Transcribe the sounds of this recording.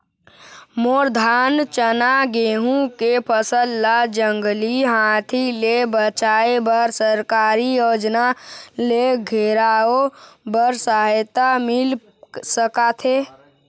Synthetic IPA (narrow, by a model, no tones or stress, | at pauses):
moːɾd̪ʱaːnt͡ʃənaɡeːɦũkepʰəsəlːad͡ʒə̃ŋɡliɦãːt̪ʰilebət͡ʃaːebəɾsəɾkaːɾijoːd͡ʒnaleɡʱeːɾaːobəɾsaːɦt̪amɪl | səkat̪ʰeː